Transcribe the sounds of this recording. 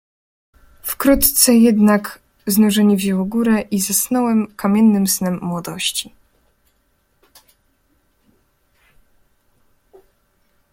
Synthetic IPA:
fkɾut̪t̪sɛjɛd̪nak | znuʐɛɲɛvʑɛwɔɡuɾɛʔizasnɔwɛmkamʲjɛnːɘmsnɛmːwɔd̪ɔɕt͡ɕi

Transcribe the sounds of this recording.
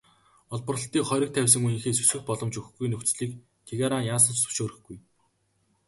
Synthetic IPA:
ɔɮpɞ̆rə̆ɬt̪iːkχɔɾʲɞ̆k̚t̪ʰæwʲs̬ə̆ŋujiːŋxeːsɵsɘ̆xpɔɮɞ̆mt͡ɕɵxɡujnɵkt͡sɮiːk | t̪ʰeɣaɾanjaːsə̆t͡ɕsɵ̥ʃoːɾɘ̆xɡuj

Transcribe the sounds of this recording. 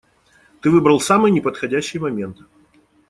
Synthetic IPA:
t̪ɨvɨbɾəlˠsamɨjnʲɪpət̪xɐdʲæɕːɪjəmɐmʲe̞nt̪ɨ

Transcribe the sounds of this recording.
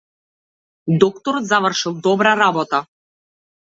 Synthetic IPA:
d̪ɔkt̪ɔɾɔt̪zavərʃilˠd̪ɔbɾaɾabɔt̪a

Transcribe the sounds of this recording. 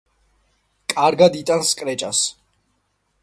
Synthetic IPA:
kʼaɾɡad̪it̪ʼanskʼɾɛt͡ʃʼas

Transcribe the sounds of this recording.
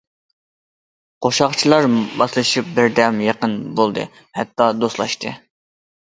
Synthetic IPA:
qʰoʃɑχt͡ʃʰilˠɑɾbɑslˠɨʃip̚bɪɾd̪ɛmjɑqənbolˠd̪ɨ̰ | hɛt̪ːɑd̪oslˠɑʃt̪ɨ̰

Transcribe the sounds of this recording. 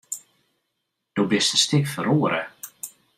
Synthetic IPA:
d̥obɪstəstɪkfəɾoːəɾʔə

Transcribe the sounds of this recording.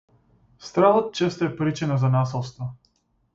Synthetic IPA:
st̪ɾalˠət̪̚t͡ʃɛst̪oɛpɾit͡ʃɛnazanasɛlˠst̪vɔ

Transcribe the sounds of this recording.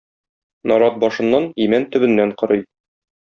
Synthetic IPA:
nɒɾɑt̪̚bɒʃɤ̆nːɑnimænt̪ɵ̆bɘ̆nːæɴqɤ̆ɾɤj

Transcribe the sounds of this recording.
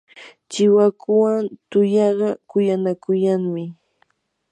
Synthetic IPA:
t͡ʃɪwakʊwant̪ʊjɑɢɑkʊjanakʊjaŋmɪ

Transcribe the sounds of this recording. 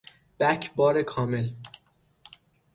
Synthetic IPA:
b̥æcʰbɒːɾekʰɒːmel

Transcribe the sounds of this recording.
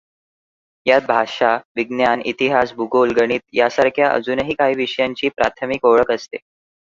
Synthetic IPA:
jat̪̚bʱaʂaʋiɡnjanḭt̪iɦasbʱuɡolɡəɽ̃iːt̪̚jasaɾkʰjaʔə̰d͡zuːnəɦiːkaɦiːʋiʂəjaɲt͡ɕiːpɾa̰t̪ʰəmikoɭəkəst̪e

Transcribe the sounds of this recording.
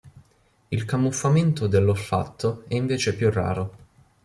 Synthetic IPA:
ilkamːufːament̪od̪elːofːa̰t̪ʰːoɛiɱveːt͡ʃepjurːa̰ːɾo

